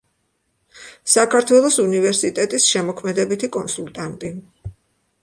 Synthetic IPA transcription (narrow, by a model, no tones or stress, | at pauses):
sakʰaɾt̪ʰwɛlˠɔsunivɛɾsit̪ʼɛt̪ʼisʃɛmɔkʰmɛd̪ɛbit̪ʰikʼɔnsult̪ʼant̪ʼi